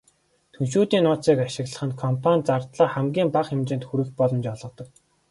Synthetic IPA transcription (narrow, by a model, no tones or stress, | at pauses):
t̪ʰɵnʃuːt̪iːnʊːt͡siːkaʃɪ̆ɣɮə̆χə̆nkʰɔmpʰanʲt͡sart̪ɮaːχæmɡʲiːmpaχxɪmt͡ɕɪ̆ːnt̪xuɾɘ̆x̚pɔɮɞ̆mt͡ɕɔɮʁɞ̆t̪ɞ̆k̚